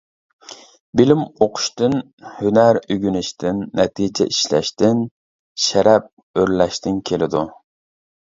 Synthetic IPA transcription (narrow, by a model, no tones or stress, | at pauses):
bilɪmoqʰʊ̥ʃt̪ɨn | hynæɾyɡʲynɪʃt̪ʰɪnːɛt̪ʰid͡ʒɛ̰ʔiʃlɛ̰ʃt̪ɪn | ʃɛɾɛp̚ | øɾlɛʃt̪ʰɪnkʲʰelɪd̪u